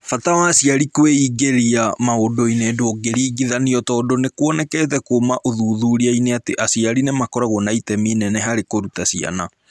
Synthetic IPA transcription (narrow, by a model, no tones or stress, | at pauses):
fatawaːsiaɾikoweiɡeɾiamaodoinedooɡeɾiːɡiðaniɔtɔːdonekwɔnɛkɛːt̬ɛkomaʔoðuːðuːɾiaineateʔasiaɾinemakɔɾaɣɔnaitɛminɛnɛɦaɾekoɾutasia̰na